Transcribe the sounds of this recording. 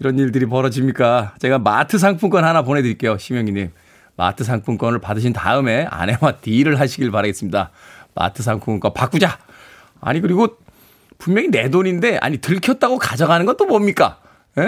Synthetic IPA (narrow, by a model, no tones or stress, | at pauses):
iɾʌnːiɭdɯɾip̬ʌɾʌd͡ʑimɲik͈at͡ɕe̞ɡama̰tʰɯs̬ʰaŋpʰuŋk͈ʌnhanapone̞dɯɾik͈e̞joɕʰimjʌŋiɲim | ma̰tʰɯs̬ʰaŋpʰuŋk͈ʌnɯɭpadɯɕ̬ʰinta̰ɯme̞a̰ne̞watiɾɯɭɦaɕʰiɡiɭpaɾaɡe̞s͈ɯmɲidama̰tʰɯs̬ʰaŋpʰuŋŋk͈ʌpak͈ud͡ʑa | a̰ɲikɯɾiɡo | pummjʌŋine̞doɲinde̞a̰ɲitɯɭkʰjʌt̚t͈aɡokad͡ʑaɡanɯnɡʌnt͈omʌmɲik͈a | je